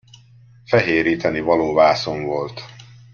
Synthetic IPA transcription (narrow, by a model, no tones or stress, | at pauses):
fɛɦeːɾiːt̪ɛnivɒloːvaːsoɱvo̞lt̪